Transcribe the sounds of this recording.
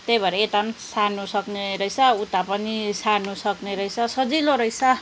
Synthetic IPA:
t̪ejbʱʌɾeet̪ansanusʌkneɾʌjsaut̪apʌnisanusʌkneɾʌjsʰʌsʌd͡ziloɾʌjsa

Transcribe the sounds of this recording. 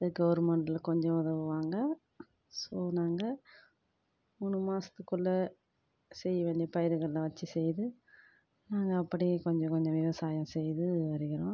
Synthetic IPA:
ɐɡɐʋɐɾmɐɳʈɪlɐkɔɲd͡ʒɔ̃ʊðɐʋɯʋaːŋɡɐ | soːnaːŋɡɐ | mʊnɯmaːsɐ̥t̪ːɯkːɯɭːɐ | sɛjːɐʋeːɳɖipɐjɪɾɯɣɐɭɪlɐʋɐt͡ʃːisɛjðɯ | naːŋɡɐːpːɐɽikɔɲd͡ʒɔ̃kɔɲd͡ʒɔ̃ʋɪʋɐsaːjɐ̃sɛjðɯʋɐɾɯɣɪɾõː

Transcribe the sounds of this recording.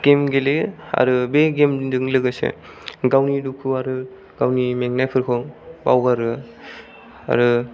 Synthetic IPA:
ɡ̥emɡelea̰ɾɯbeɡemdɯŋlɯɡɯsḛ | ɡawnidukʰuaɾɯ | ɡ̥awnimeŋnajpʰɯɾkʰɔŋba̰wɡaɾɯ | a̰ɾɯ

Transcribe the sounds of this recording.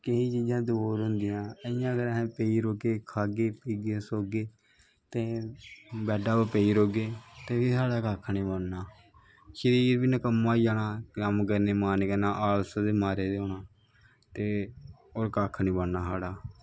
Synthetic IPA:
kəĩːt͡ʃiːd͡ʒãːd̪boːɾɦʊnd̪ɪjãːəɪjãːəɡəɾəɦẽːpəiːɾoːkeːkʰaːɡeːpiːɡesoːɡeː | t̪eː | bɛːɖaːbəpəiːɾoːɡeːt̪eːʋiːsaːɽaːkaːkʰniːbənnaː | ʃəɾiːɾbiːnəkəmːãːid͡ʒaːnaːkəmk̬əɾneːmaːnekənaːʔaːlsəd̪eːmaːɾeːd̪eoːnaː | t̪eː | oːɾkaːkʰːnĩːbəɳnaːsaːɽaː

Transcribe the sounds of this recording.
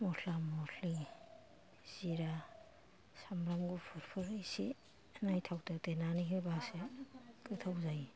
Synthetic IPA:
mɔtʰlamɔtʰi | z̥iɾa | samɾamɡupʰuɾpʰɯɾɯjsi | najtʰawtɯtenaniɦɯbasekɯtʰawzaj

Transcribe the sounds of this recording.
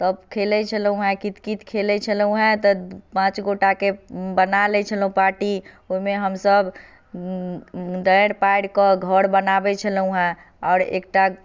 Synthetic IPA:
t̪əbkʰelɛt͡ʃʰəlũɦɛ̃kit̪kit̪kʰelɛt͡ʃʰəlũɦɛ̃t̪ɔpãt͡ʃɡoʈakebənalɛt͡ʃʰəlũpaɾʈi | oimeɦəmsəb | d̪əɾpajɽkəɡʱəɾbənabɛt͡ʃʰəlũɦɛ̃ | ɔːɾḛk̚ʈa

